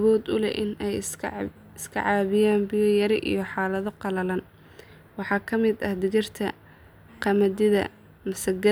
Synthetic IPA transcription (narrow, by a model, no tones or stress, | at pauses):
βɔːd̪ʊlɛ̰ʔɪnɛj | ɪskʰɐ̰ʕɑːβɪjaːnbɪjɔjɐɾɪʔḭjɞħɑːlɐðɔqɑlɐlɐn | wɑħɑːkʰɐmɪd̪ɐhd̪ɪɣɪrt̪ʰɐ | qɑmɐdɪðɐ̰ | mɐsɐɡɐ